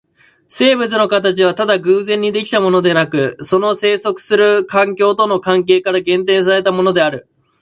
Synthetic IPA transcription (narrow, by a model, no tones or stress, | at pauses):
se̞ːbet͡sɨno̞kat̪at͡ɕiβ̞at̪ad̪aɡɯ̟ːzẽ̞ɲ̟ːid̪e̞kʲi̥t̪amo̞no̞d̪e̞nakɯ̟so̞no̞se̞ːso̞kɯ̟̥sɨɾɯ̟kãŋkʲo̞ːt̪o̞no̞kãŋk̬e̞ːkaɾaɡẽ̞nt̪ẽ̞ɰ̃s̬aɾe̞t̪amo̞no̞d̪e̞aɾɯ̟